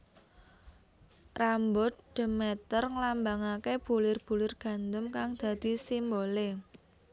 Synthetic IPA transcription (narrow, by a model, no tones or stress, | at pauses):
rambʊt̪̚ɖ̥ə̤mɛt̪ərŋəlambaŋakeb̥ulɪrb̥ṳlɪrɡ̥ä̤nd̪ʊmkaŋd̪̥ä̤d̪̥i̤simbole